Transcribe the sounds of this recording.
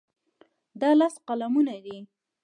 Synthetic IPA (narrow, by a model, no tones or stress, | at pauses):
d̪ɑlasqalamunad̪i